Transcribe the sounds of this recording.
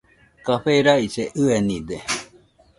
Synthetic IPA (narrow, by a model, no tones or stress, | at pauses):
kaɸeɾaiseʔɯenid̪e